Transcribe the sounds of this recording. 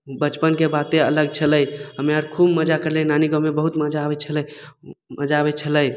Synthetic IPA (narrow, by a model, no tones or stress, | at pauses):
bət͡ʃpənkebat̪eə̰ləɡ̚t͡ʃʰələjɦəmeəɾkʰubməd͡ʒakəɾlenaniɡə̃mːebəɦut̪məd͡ʒabɛt͡ʃʰələjməd͡ʒaːbɛt͡ʃʰələj